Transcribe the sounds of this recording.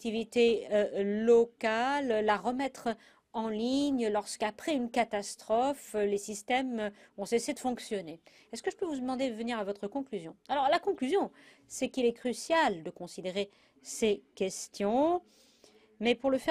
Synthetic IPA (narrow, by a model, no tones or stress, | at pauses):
t̪ivit̪eølɔkalːaʁəmɛt̪χ | ɑ̃liɲlɔʁskapχɛynkat̪ast̪χɔflesist̪ɛmɔ̃sesed̪əfɔ̃ksjɔne | ɛskəʒəpøvud̪əmɑ̃d̪ed̪əvəniʁavɔt̪χəkɔ̃klyzjɔ̃alɔʁlakɔ̃klyzjɔ̃ | sɛkilɛkχysjald̪əkɔ̃sid̪eʁe | sekʲɛst̪jɔ̃ | mɛpuʁləfɛ